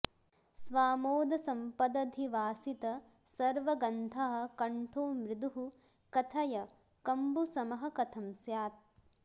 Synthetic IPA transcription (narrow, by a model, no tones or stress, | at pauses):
sʋaːmoːd̪ɐsɐmpɐd̪ɐd̪ʱiʋaːsit̪ɐ | sɐɾʋɐɡɐnd̪ʰʱɐɦɐ̆kɐɳʈʰoːmɾɪd̪uɦu | kɐt̪ʰɐjɐ | kɐmbusɐmɐɦɐ̆kɐt̪ʰɐmsjaːt̪̚